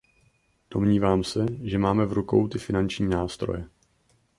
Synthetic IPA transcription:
d̥o̞mɲiːvaːmsɛʒɛmaːmɛvɾuko̞̰wt̪ɪfɪnant͡ʃɲiːnaːst̪ɾo̞̰jɛ

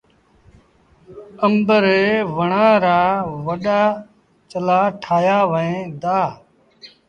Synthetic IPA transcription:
əmbəɾeːʋəɳãːɾaːʋəɗaː | t͡ʃəlaːʈʰaːjaːʋəẽːd̪aː

